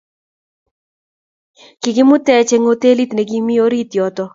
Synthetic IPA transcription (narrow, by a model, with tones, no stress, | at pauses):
kɪ˨ɡɪ˦mʊ˦t̪ɛ˦t͡ʃe˦ŋo˦t̪e˦li˦t̪ne˨ɡi˦mi˦o˦ɾi˦t̪jɔ˨t̪ɔ˦